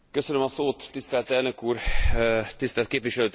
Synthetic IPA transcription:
køsønømɒsoːt̪ːist̪ɛlt̪ɛlnø̞kuːr | t̪ist̪ɛlt̪̚keːpʋiʃɛløːt̪

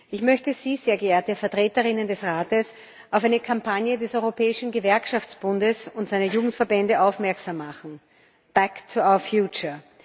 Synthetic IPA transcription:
ʔɪçmœçtəz̥iːz̥eːɐɡəeːɐtəfɛɐtʁ̥eːtəʁɪnəndɛsʁaːtəs | ʔaʊfæɪnəkʰampʰanjədɛsɔʏʁopʰɛːɪʃn̩ɡəvɛɐkʃaft͡sb̥ʊndəsʊntz̥aɪnɐjuːɡŋ̩tfɛɐbɛndəʔaʊfmɛɐksamːaχn̩ | b̥ɛktʰuaʊəfjuːt͡ʃə

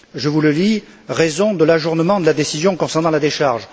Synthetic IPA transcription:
ʒəvuləli | ʁezɔ̃d̪əlaʒuʁnəmɑ̃d̪əlad̪esizjɔ̃kɔ̃sɛʁnɑ̃lad̪eʃaʁʒ

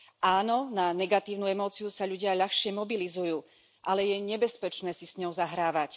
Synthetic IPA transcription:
ʔaːnɔnanɛɡat̪iːʊnuɛmɔːt͡sijusaʎuɟɪaʎaxʃɪɛmɔbilizujuː | ʔalɛjɛɲɛbɛspɛt͡ʃnɛːsisɲɔʊzaɦɾaːʋac

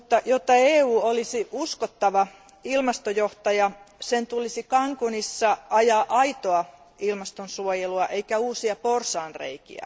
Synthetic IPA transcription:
mut̪ːɑjot̪ːɑeːuːolisiʔuskot̪ːɑʋɑ | ilmɑst̪ojoht̪ɑjɑsent̪ulisikɑŋkunisːɑɑjɑːʔɑit̪oɑ | ilmɑst̪onsuojeluɑʔeikæuːsiɑporsɑːnrḛikḭæ̰

